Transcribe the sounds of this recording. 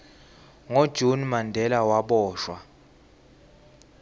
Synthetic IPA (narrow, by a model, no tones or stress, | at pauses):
ŋod̥ʒ̥ʱunmandʱɛlawaɓɔːʃwa